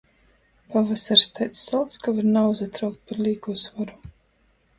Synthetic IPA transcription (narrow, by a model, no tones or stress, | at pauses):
pavasaɾst̪ajt̪sːalˠt̪skavaɾnawzat̪ɾawk̚t̪̚paɾliːɡusvaɾu